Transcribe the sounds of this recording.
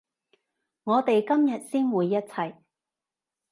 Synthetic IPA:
ŋɔː˨˧t̪e˨jkɐ˥mjɐ˨t̚siː˥nwuː˨˧jːɐ˥t̚t͡sʰɐ˨j

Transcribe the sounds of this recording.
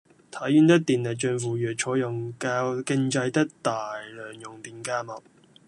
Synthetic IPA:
t̪ʰɐ˨˥jyː˧˥nt̪ɪ˥k̚t̪iː˨nlɛ˨k̚t͡ʃœː˧nfuː˨˩jœː˨k̚t͡ʃʰɔː˨˥jɐ˨˩ŋkaː˧kɪ˥ŋt͡sɐ˧jt̪ɪ˥k̚t̪aː˨jlœː˨˩ŋjʊ˨˩ŋt̪iː˨nkaː˧mɐ˨k̚

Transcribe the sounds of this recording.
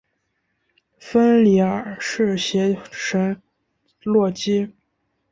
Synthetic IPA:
fə˥nli˧˥ə˨˩ʂɻ̩˥˩ɕjɛ˧˥ʂə˧˥ŋ | lwɔ˥˩t͡ɕi˥

